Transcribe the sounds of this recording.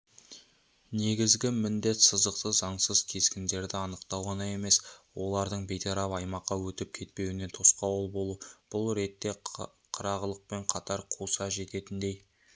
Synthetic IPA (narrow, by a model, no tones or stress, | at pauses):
ne̞ɡʲɪzɡʲɪmɪnd̪e̞t̪səzd̪əqt̪əzɑɴsəz̥kʲʰe̞zkʲɪnd̪e̞ɾd̪ɪɑnəqt̪ɑwʁɑnɑje̞me̞swo̞lˠɑɾd̪əɴbe̞jt̪ʰɑɾɑpɑjmɑqːɑwɵt̪ɪp̚kʲʰe̞t̪̚pe̞wɪne̞t̪ʰosqɑwolˠbo̞lˠub̥ʊlˠɾe̞t̪ːe̞ | qʰəɾɑʁəlˠəq̚pe̞ɴqʰɑt̪ɑɾqʰusɑʒe̞t̪e̞t̪ɪnd̪e̞j